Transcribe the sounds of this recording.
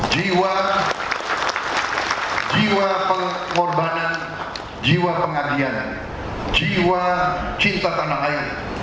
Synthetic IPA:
d͡ʒiwa | d͡ʒiwapəŋ | ŋɔrbanan | d͡ʒiwapəŋadian | d͡ʒiwat͡ʃint̪at̪anakai

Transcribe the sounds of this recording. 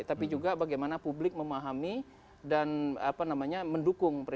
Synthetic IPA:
t̪apid͡ʒuɡabaɡajmanapublɪk̚məmaɦami | dana̰panamaɲaməndukʊŋpɾ

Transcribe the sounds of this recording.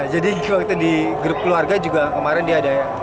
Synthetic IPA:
d͡ʒadikuwakit̪udiɡəɾʊp̚kluarɡad͡ʒuɡakəmaɾɪndiaːdaja

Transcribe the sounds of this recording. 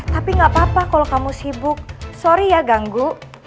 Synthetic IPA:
t̪apiŋɡaʔpapakalɔkamusibʊk̚soɾijaɡaŋɡuʔ

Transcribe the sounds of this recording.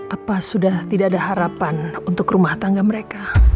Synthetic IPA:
ʔapasudaht̪idaːdaɦaɾapanunt̪ʊkrumaht̪aŋɡaməɾeka

